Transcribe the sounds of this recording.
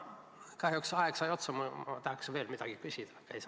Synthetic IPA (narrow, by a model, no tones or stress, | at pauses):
kɑhjuksɑeksɑjo̞t̪sɑmɑmɑt̪ɑhɑksve̞ːlmid̪̥ɑɡ̥ikysʲid̪̥ɑ̥kːejs